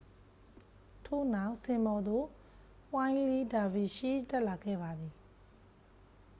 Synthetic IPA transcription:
tʰo̰˦˨na˦˨ʊʔsɪ̃˨mbɔ˨d̪o˦˨ | wã˦ɪ̃li˦da˨vi˨ʃi˦tɛ˦ʔla˨ɡɛ̰˦˨ba˨d̪ði˨

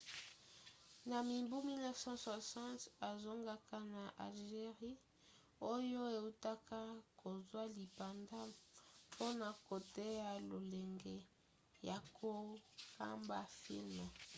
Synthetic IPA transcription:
na˨mi˨mbu˦mi˦lnɛ˦vsɑ̃˦swa˨sã˦nta˨zo˦ŋɡa˦ka˦na˨ʔa̰˨lʒe˨ʁi˦ | o˦jo˦e˨u˦ta˦ka˦ko˨zwa˦li˨pa˨nda˦pʰo˦na˨ko˨te˦ja˨lo˨lɛ˨ŋɡɛ˨ | ja˨kʰo˦ka̰˦mba˦fḭ˦lm˨

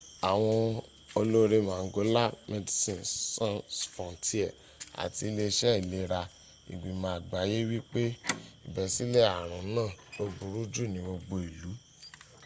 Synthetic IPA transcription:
a˨w̃ɔ̃˧ | o˧lo˦ɾe˦mãː˨˦ɡo˨˦la˦me˧di˨sĩ˨nsã˦fɔ̃˨ti˦ɛ˨ | a̰˨ti˧˦le˧ʃɛ˦i˨le˧ɾa˧ | ḭ˨ɡ͡bĩ˨mãː˨˦˨a˨ɡ͡ba˨˦je˦wi˦k͡pe˦i˨bɛ˨si˨˦le˦a˦˨ɾ̃ɔ̃˨˦nãː˦˨o˧bu˨ɾu˦d͡ʒu˦˨nĩ˨˦bo˧ɡ͡bo˧e˨lu˨˦

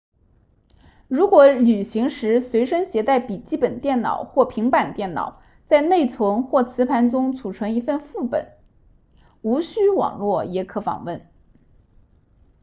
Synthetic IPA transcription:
ɻu˧˥kwɔ˧˥ly˨˩ɕi˧˥ŋʂɻ̩˧˥swe˧˥ɪʂə˥ŋɕjɛ˧˥t̪a˥˩ɪpi˨˩t͡ɕi˥˩pə˨˩nt̪jɛ˥˩nnɑ̰˨˩ʊxwɔ˥˩pʰi˧˥ŋpa˨˩nt̪jɛ˥˩nnɑ̰˨˩˦ʊ | t͡sa˥˧ɪne˥˩ɪt͡sʰwɤ˧˥ŋxwɔ˥˩t͡sʰɹ̩˧˥pʰa˧˥nʈ͡ʂʊ˥ŋt͡sʰu˨˩ʈ͡ʂʰɤ˧˥ŋi˧˥fə˥˧nfu˥˩pə̰˨˩˦n | u˧˥ɕy˥wɑ̰˨˩ŋlwɔ˥˩jɛ˧˥kʰɤ˧˥fɑ̰˨˩ŋwə˥˩n

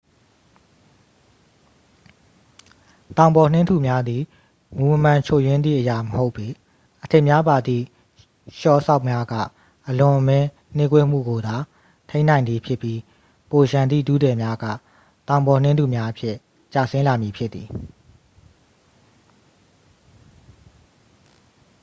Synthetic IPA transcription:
t̪ã˨ʊ̃bɔ˨n̥ɪ̃˦ntu˨mja˦d̪ði˨ | mu˨məm̥ã˨t͡ɕʰo˨jwɪ̃˦nd̪ðḭ˦˨ʔəja˨məho˦ʊpːi˨ | ʔətʰe˦˨mja˦ba˨d̪ḭ˦˨ | ʃɔ˦˨ʔəsa˦ʊʔmja˦ɡä̰˦˨ | ʔəlʊ̃˨ʔəmɛ̃˦ | n̥e˦kwḛ˦m̥ṵ˦˨ɡo˨d̪a˨ | tʰẽ˦n̥ã˨nd̪ði˨pʰjɪ˦pːji˦ | po˨ʃã˨nd̪ḭ˦˨dṵ˦˨dɛ˨mja˦ɡä̰˦˨ | t̪ã˨ʊ̃mbɔ˨n̥ɪ̃˦nd̪u˨mja˦ʔəpʰjɪ˦ʔ | t͡ɕa̰˦˨sɪ̃˦la˨mji˨pʰjɪ˦t̪ːi˨

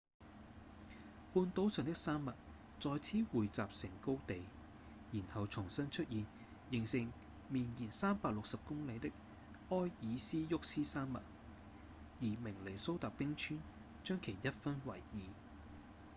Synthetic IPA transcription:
puː˧nt̪o˨˥wsœː˨˩ŋt̪ɪ˥k̚saː˥mːɐ˨t̚ | t͡sɔː˨˧jt͡sʰiː˨˥wuː˨jt͡saː˨p̚sɪ˨˩ŋko˥wt̪e˨j | jiː˨˩nhɐ˨wt͡sʰʊ˨˩ŋsɐ˥nt͡ʃʰɵ˥t̚jiː˨n | jɪ˨˩ŋsɪ˨˩ŋ | miː˨njiː˨˩nsaː˥mpaː˧k̚lʊ˨k̚sɐ˨p̚kʊ˥ŋle˨˧jt̪ɪ˥k̚ | ɔː˥jjiː˨˧siː˥jʊ˥k̚siː˥saː˥mːɐ̰˨t̚ | jiː˨˩mɪ˨˩ŋle˨˩jso˥wt̪aː˨k̚pɪ˥ŋt͡ʃʰyː˥n | t͡ʃœː˥ŋkʰe˨˩jjɐ˥t̚fɐ˥nwɐ̰˨˩jjiː˨

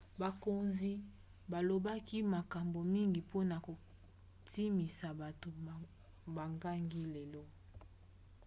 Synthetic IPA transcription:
ba˨ko˨nzi˦ | ba˨lo˨ba˦ki˦ma˨ka˨mbo˨mi˦ŋɡi˨po˦na˨ko˨ | ti˦mi˨sa˨ba˨to˨ | ba˨ŋɡa˦ŋɡi˦le˨lɔ˦

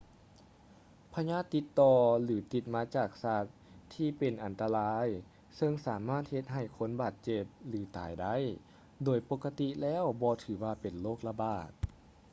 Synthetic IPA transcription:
pʰa˧ɲaː˧˥˩t̪ːi˧˦t̪ːɔː˧lɯː˩˦t̪i˧˩t̪̚maː˧˥t͡ɕaː˨˩k̚saː˧˩t̪ʰː | iː˧˩pe˨˩nʔa˨˩nt̪a˧laː˧˥j | sɤ˧ŋsaː˩˦maː˥˩t̪̚he˧t̪̚ɦa˧˨˩jkʰo˧˥nbaː˨˩t̪̚t͡ɕe˧˩p̚lɯː˨˩˦t̪a̰ː˨˩jda˧˥˩j | doː˨˩jpo˧kːa˧t̪i˧lɛː˦˧˥wbɔː˧t̪ʰɯː˨˩˦waː˧pe˨˩nloː˥˩k̚la˧baː˨˩t̪̚

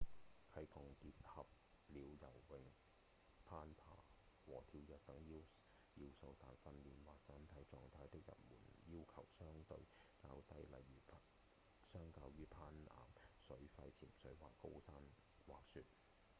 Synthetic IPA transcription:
kʰɐ˨˥jkɔː˨ŋkiː˧t̚hɐ˨p̚ | liː˨˧wjɐ˨˩wwɪ˨˧ŋ | pʰaː˥npʰa̰ː˨˩ | wɔː˨˩t̪ʰiː˧wjɛː˨k̚t̪ɐ˨˥ŋji˧˥w | ji˧wso˧wt̪aː˨jfɐ˧nliː˨nwaː˨k̚sɐ˧˥nt̪ʰɐ˨˥jt͡sɔː˨˧ŋt̪ʰaː˧jt̪ɪ˥k̚jɐ̰˨t̚muː˨˩njiː˥wkʰɐ˨˩wsœː˥ŋt̪ɵ˧ɥkaː˧wt̪ɐ˧˥jlɐ̰˨˩jːyː˨˩pʰ | sœː˥ŋkaː˧wjyː˥pʰaː˥nʔa̰ː˨msɵ˨˥ɥfɐ˧jt͡sʰiː˨˩msɵ˨˥ɥwa̰ː˨kːo˥wsaː˥n | waː˨k̚sy˧t̚

